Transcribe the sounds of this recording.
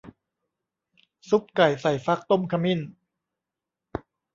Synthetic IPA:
su˦˥p̚ka˨˩jsa˨˩jfa˦˥k̚t̪o˥˩mkʰa˧mi˥˨n

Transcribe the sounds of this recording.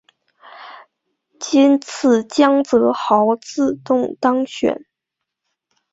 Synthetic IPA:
t͡ɕi˥nt͡sʰɹ̩˥˩t͡ɕjɑ˥ŋt͡sɤ˧˥xɑ˧˥ʊt͡sɹ̩˥˧t̪ʊ˥˩ŋt̪ɑ˥ŋɕɥɛ̰˨˩˦n

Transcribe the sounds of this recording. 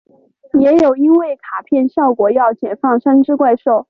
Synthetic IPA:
jɛ˧˥jo˨˩ʊi˥nwe˥˩ɪkʰa˨˩pʰjɛ˥˧nɕjɑ˥˩ʊkwɔ˨˩jɑ˥˩ʊt͡ɕjɛ˨˩nfɑ˥˩ŋʂa˥nʈ͡ʂɻ̩˥kwa˥˧ɪʂo˥˩ʊ

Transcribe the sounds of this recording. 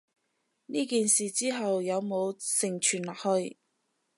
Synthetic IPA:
niː˥kiː˨nsiː˨˩t͡siː˥ɦɐ˨wjɐ˨˧wmo˨˧wsɪ˨˩ŋt͡ʃʰyː˨˩nlaː˨k̚hɵ˧ɥ

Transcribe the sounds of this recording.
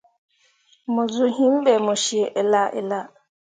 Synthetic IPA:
mo˨zu˦ɦĩ˦m̩˦bɛ˨mo˨ʃi˨e˨ʔe˨la˦ʔḛ˨la˦

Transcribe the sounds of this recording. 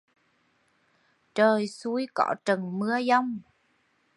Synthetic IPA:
t͡ɕəː˨˩jsu˧˦jkɔ̰˧˥t͡ɕə˨˩ŋmɨ˨˧˥əza˧wŋ͡m

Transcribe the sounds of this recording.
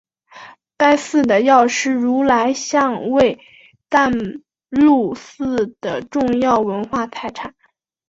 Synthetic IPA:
pa˥˧ɪsɹ̩˥˩d̪ə˩jɑ˥˧ʊʂɻ̩˥˩ɻu˧˥la˧˥ɪɕjɑ˥˧ŋwe˥˧ɪ | t̪a˥˧n | lu˥˧sɹ̩˥˩d̪̥ə˩ʈ͡ʂʊ˥˧ŋjɑ˥˩ʊwə˧˥nxwa˥˩t̪ʰa˥˩ɪʈ͡ʂʰa˨˩˦

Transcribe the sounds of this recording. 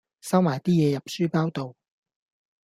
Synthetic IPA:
sɐ˥wmaː˨˩jt̪iː˥jɛː˧jɐ˨p̚syː˥paː˥wt̪o˨˧w

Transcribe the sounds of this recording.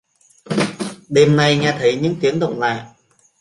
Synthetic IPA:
ɗe˨˩mna˨˩jŋɛ˧˩t̪ʰə˨˦jɲɨ̰˧˥ŋt̪i˨˦əŋɗo̰˧˨wŋ͡mla̰ː˧˨ʔ

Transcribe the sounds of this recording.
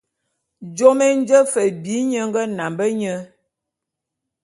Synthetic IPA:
d͡ʒo˦me˦n˦d͡ʒə˦fə˨bi˨˦ɲə˦ŋ˦ɡə˦na˨mbə˦ɲə˦

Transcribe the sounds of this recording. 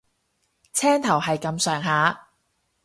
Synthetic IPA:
t͡sʰɛː˥ŋt̪ʰɐ˨˩wɦɐ˨jkɐ˧msœː˨ŋɦaː˨˥

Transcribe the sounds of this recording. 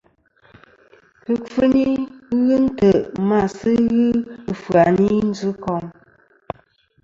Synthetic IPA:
pɨ˨fɨ˦ni˦ɣɨ˦n˦tə˨ʔma˨sɨ˦ɣɨ˦˨fwa˨ni˦n̩˦zɨ˦kɔ˨m

